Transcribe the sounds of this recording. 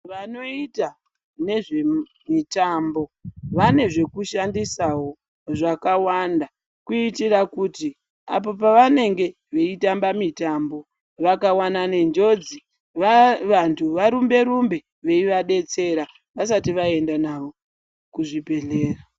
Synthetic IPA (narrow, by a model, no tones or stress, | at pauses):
ʋano̞ita | ne̞ʐe̞ | mitambo̞ʋane̞ʐe̞kuʃandisawo̞ | ʐakawanda | kuitirakuti | a̰p̬o̞p̬aʋane̞ŋɡe̞ | ʋeitambamitambo̞ | ʋakawanane̞nd͡ʒo̞d͡zi | ʋaʋantʰuʋaɾumbe̞ɾumbe̞ | ʋe̞iʋaɗe̞t͡se̞ɾa | ʋasatiʋae̞ndanaʋo̞ | kuʐibʱe̞ɮe̞ːra